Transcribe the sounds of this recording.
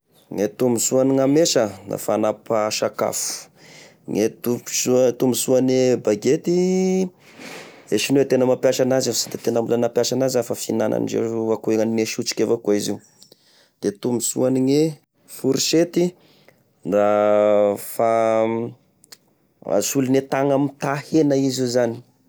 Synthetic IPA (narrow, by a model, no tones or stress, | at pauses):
ŋet̪umisuaniŋameʃəna̰fanapaʃaka̰fu̥ | ŋet̪usut̪umisuanebaɡet̪i | eʃinwet̪enəmapjaʃanazasid̪et̪enambulənapjaʃanazafafinanʔa̰nid͡ʒḛakueŋanineʃut͡ʃi̥kʲevakuiziu | d̪̥et̪umisṵaniŋe | fuɾiʃet̪i | nra | fa | a̰sulinet̪aŋamit̪ahenaizizani̥